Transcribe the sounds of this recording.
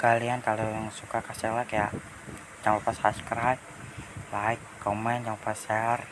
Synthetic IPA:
kaliant̪aloaŋsukakasɛlakajaʔ | d͡ʒaŋupasha̰skəɾɦaj | laikːɔmɛnd͡ʒaŋpasɛar

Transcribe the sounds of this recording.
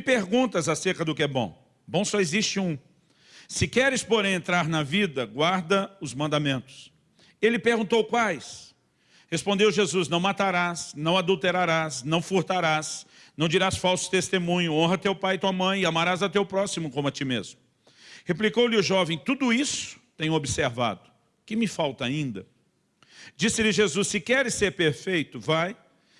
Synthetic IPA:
peɾɡũt̪ɐzaseɾkɐd̪ʊkɪɛbõ̰ | bõw̃sɔeziʃt͡ʃɪũ | sɪkɛɾɪspoɾẽj̃ẽnt̪ɾaɾnɐvid̪ɐɡwaɾd̪ɐʊzmɐ̃nd̪amẽnt̪ʊ̥s | elɪpeɾɡũnt̪owkwajs | hespõnd̪ewʒezuznɐ̃w̃mat̪aɾasnɐ̃w̃ad̪uwt̪eɾaɾasnɐ̃w̃fuɾt̪aɾas | nɐ̃w̃d͡ʒiɾasfawsʊ̥t̪est̪emũɲʊõɦɐt̪ewpajt̪uɐmɐ̃j̃amaɾazɐt̪ewpɾɔsimʊkõmʊɐt͡ʃ̪imḛzmʊ | heplikowlɪʊʒɔvẽj̃t̪ud̪ʊisʊ̥t̪ẽj̃ʊobiseɾva̰d̪ʊ | kɪmɪfawt̪ɐaĩnd̪ɐ | d͡ʒisɪlɪʒezusːɪkɛɾɪsːeɾpeɾfejt̪ʊvaj

